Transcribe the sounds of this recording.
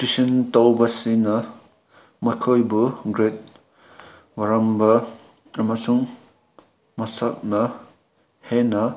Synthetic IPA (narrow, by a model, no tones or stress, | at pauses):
tisintawbɐsinɐ | mɔjkʰojbuɡɾet̚ | wɐɾɐmbɐ | ɐmɐsuŋ | mɐsɐk̚nɐ | henɐ